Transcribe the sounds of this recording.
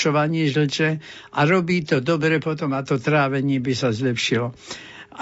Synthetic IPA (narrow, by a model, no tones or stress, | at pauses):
ɔʋaɲɪɛʒl̩t͡ʃɛ | ʔaɾɔbiːt̪ɔd̪ɔbɾɛpɔt̪ɔmat̪ɔt̪ɾaːʋɛɲɪɛbisazlɛpʃilɔ